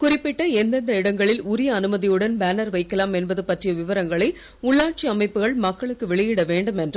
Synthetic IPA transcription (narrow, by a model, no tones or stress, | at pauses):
kʊrɪpːɪʈːɐɛnd̪ɐnd̪ɐɪɽɐŋɡɐɭɪlʊɾɪjɐːnɯmɐðɪjɯɽɐnbaːnɐɾʋɐɪkːɐlaːmɛnbɐðɯpɐʈrɪjɐʋɪʋɐɾɐŋɡɐɭɐɪ | ʊɭːaːʈ̚t͡ʃiɐmɐɪpːɯɣɐɭmɐkːɐɭɯkːɯʋɛɭɪjɪɽɐʋeːɳɖɯmɛndrɯ